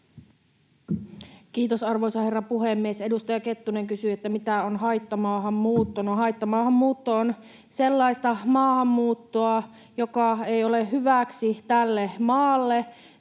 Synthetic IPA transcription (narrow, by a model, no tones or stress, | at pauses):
kiːt̪osɑrʋo̞jsɑhe̞rːɑpuɦemːiese̞dust̪ɑjɑke̞t̪ːune̞ŋkysyet̪ːæmit̪æonɦɑjt̪ːɑmɑːɦɑmːuːt̪ːonuɦɑjt̪ːɑmɑːhɑmːuːt̪ːoːn | se̞lːɑist̪ɑmɑːhɑmːuːt̪ːoɑ | jo̞kɑejo̞leɦyʋæksit̪ælːemɑːlːe̞